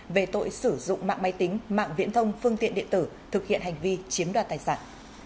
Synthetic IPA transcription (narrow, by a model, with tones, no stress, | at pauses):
ve˨˩t̪o̰˧˨jsɨ˧˩zʊ̰˧˨ŋ͡mma̰ː˧˨ŋma˨˦jt̪ï˨˦ŋ̟ma̰ː˧˨ŋvḭ˧˥ənt̪ʰə˧wŋ͡mfɨ˧əŋt̪ḭ˧ənɗḭ˧˨ənt̪ɨ˧˩ | t̪ʰɨ˨˩k̚hḭ˧˨ənha˨˩jŋ̟vi˧t͡ɕi˨˦əmɗwaː˨˩t̪aː˨˩jsa̰ː˧˩n